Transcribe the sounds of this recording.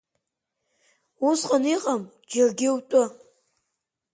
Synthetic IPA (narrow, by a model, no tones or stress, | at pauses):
usqʼaniqʼam | d͡ʒarɡʲɪwtʷʼʊ